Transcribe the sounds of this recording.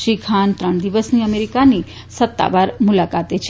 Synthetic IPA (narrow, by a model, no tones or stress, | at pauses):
ʃikʰant̪ɾəɳ̃d̪iʋəsniəmeɾikani | sət̪ːa̰ʋaɾmulakat̪et͡ʃʰe